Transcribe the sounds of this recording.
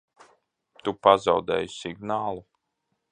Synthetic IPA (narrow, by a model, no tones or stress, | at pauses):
t̪upazawd̪ɛ̰ːjsiɡnaːlˠu